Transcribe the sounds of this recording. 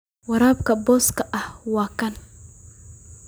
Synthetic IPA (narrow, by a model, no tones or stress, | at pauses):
wɐɾaːb̚kɐbɔːskɐʔɐhwaːkɐn